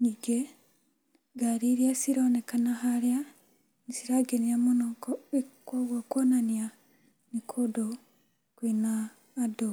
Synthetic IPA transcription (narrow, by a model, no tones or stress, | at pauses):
ɲiɡɛ | ɡaɾiɾiasiɾanɛkanaɦaɾia | nisiɾaɡɛnijamɔnɔŋkɔɓikɔɡakɔnanija | nikʰɔdɔ | kwinaː | dɔ